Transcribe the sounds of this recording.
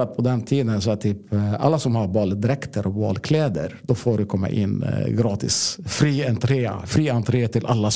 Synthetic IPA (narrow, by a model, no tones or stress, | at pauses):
at̪̚pʰɔd̪ɛnt̪ʰiːd̪ənsɔɛt̪ʰyːpa̰lːasɔmhaɾbɑːld̪ɾɛkt̪ʰəɾʔɔbɑ̰ːlkʰlɛːd̪ə̰ɾd̪ɔfoːɖɵkʰɔmːa̰ʔɪ̰nːɡɾɑːt̪ɪ̰sfɾiːɛnt̪ʰɾeːa̰fɾiːɛnt̪ʰɾeːt̪ʰɪlʔalːas